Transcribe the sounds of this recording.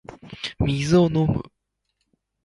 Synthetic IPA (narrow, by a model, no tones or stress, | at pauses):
mʲizɨo̞no̞mɯ̟̰